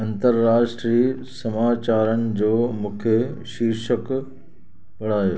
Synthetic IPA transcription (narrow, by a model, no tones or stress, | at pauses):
ɐ̃nt̪əɾːaːʃʈɾiː | sɐmaːt͡ɕaːɾənɪ̆d͡ʑoːmũːkʰeʃiːɾʃək | pɐɽ̤aːjoː